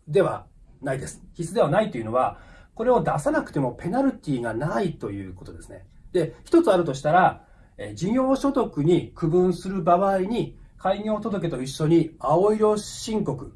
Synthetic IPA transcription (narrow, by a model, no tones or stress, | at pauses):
d̪e̞βa̰naid̪e̞sɨ̥çisɨd̪e̞βanait̪oe̞iɯ̟no̞β̞ako̞ɾe̞o̞d̪asanakɯ̥t̪e̞mo̞pe̞naɾɯ̟t̪ʲiːɡanait̪o̞jɯ̟̰ːko̞t̪od̪e̞sɨ̥ne̞̰ | d̪̥e̞çi̥t̪o̞t͡sɨaɾɯ̟t̪o̞ɕ̬i̥t̪aɾa | ed͡ʑĩɰ̃jo̞ːɕo̞t̪o̞kɯ̟ɲ̟ikɯ̟bɯ̟̃ɰ̃sɨɾɯ̟baβaiɲ̟ikʰaiɲʲiot̪o̞d̪o̞k̬e̞t̪o̞iɕːo̞ɲ̟iao̞iɾo̞ɕĩŋko̞kɯ̟